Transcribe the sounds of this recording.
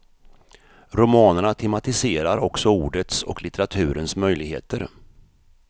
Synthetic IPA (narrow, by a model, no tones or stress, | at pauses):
ɾʊmɑːnəɳat̪ʰɛmat̪ɪseːɾaɾɔksɔuːɖət̪sɔ̰klɪt̪ɛɾat̪ʰʉ̟ːɾənsmœjlɪɡhḛːt̪əɾ